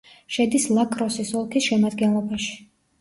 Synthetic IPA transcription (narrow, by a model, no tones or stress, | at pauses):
ʃɛd̪islˠakʼɾɔsisɔlˠkʰisʃɛmad̪ɡɛnlˠɔbaʃi̥